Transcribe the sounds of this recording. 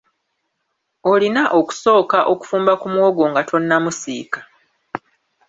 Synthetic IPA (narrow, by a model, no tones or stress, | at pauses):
olinaʔo̞ku̥so̞ːkaʔo̞ku̥fuːmbakumwo̞ːɡo̞ːŋɡatʰo̞nːamusḭːkḁ